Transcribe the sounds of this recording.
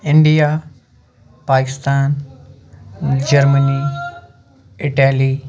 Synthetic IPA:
ɪɳɖija | paːkɪst̪aːn | d͡ʒɐɾməni | ɪʈali

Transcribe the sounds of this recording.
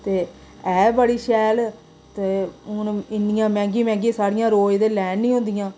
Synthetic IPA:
t̪eː | ɛːbəɽiːʃɛːl | t̪eːʊnɪnɪjãːmɛ̃ːŋɡiːmɛ̃ːŋɡĩsaːɾɪjãːɾoːed̪eːlɛːnːĩːɦʊ̃nd̪ɪjãː

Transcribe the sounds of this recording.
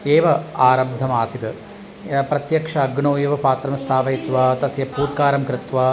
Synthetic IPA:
eːʋɐaːɾɐbd̪ʱːɐmaːsit̪ɐ | pɾɐt̪jɐkʂɐːɡɳoːjɐʋɐpaːt̪ɾɐmst̪ʰaːʋɐjit̪ʋaːt̪ɐsjɐpuːt̪̚kaːɾɐmkɾɪt̪ʋaː

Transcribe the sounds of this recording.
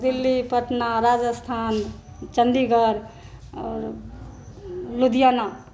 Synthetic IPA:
d̪ilːipəʈnaɾad͡ʒəst̪ʰan | t͡ʃəɳɖiɡəɾ | ɔɾ | lud̪ijana

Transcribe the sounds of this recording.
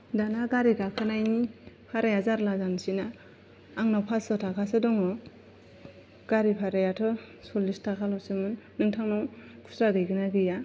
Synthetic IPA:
danaɡaɾiɡakʰɯnajnipʰaɾajazaɾlazansinaː | ŋnawpʰasɯtʰakʰasɯdɔŋɔ | ɡ̥aɾipʰaɾajatʰɔ | sɔlistʰakʰalɔsɯmɯnːɯŋtʰaŋnawkʰu̥sɾaɡɯjɡɯnaɡɯja

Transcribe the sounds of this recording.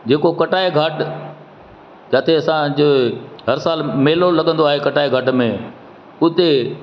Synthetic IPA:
d͡ʑeːkokɐʈaːeɡʱəʈ | d͡ʑaːt̪ʰeɐsãd͡ʑoːɦɐɾsaːlmeːlolɐɠə̃nd̪oaːɦekɐʈaːeɡʱɐʈmẽ | ʊt̪e

